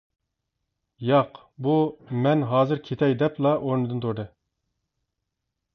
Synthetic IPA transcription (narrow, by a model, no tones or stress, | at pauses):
jɑq | bumɛnɦɑːzɨɾkʲʰet̪ʰɛjd̪ɛplˠɑʔoɾnɨd̪ɨnt̪ʰoɾd̪ɨ